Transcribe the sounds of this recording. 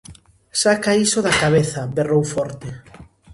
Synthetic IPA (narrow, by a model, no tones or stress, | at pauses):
sakaisoðakaβ̞eθɐberowfɔɾt̪ɪ